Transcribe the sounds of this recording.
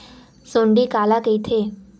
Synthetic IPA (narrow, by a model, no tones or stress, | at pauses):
soɳɖikalakəjt̪ʰe